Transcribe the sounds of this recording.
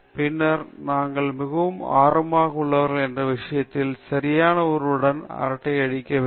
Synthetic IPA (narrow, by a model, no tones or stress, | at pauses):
pɪnːɐɾnaːŋɡɐɭmɪɣɐʋɯma̰ːɾɐmaːɣɐɯɭːɐʋɐɾɣɐɭɛndrɐʋɪʂɐjɐt̪ːɪlsɐɾɪjaːnɐɔɾɯɽɐnɐ̰ɾɐʈːɐɪɐɽɪkːɐʋ